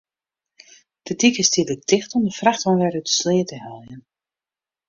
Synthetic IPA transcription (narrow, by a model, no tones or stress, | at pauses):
d̥ədikəstidədɪxtɔmdəfraxtfɔnʋɛɾytə̥sleːtəhɛlˠjən